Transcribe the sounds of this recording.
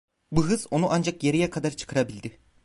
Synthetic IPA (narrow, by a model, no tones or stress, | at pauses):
buɦɯz̥o̞nuʔand͡ʒakjeɾijɛkʰad̪aɾt͡ʃʰɯ̥kʰɯɾabilʲd̪ɪ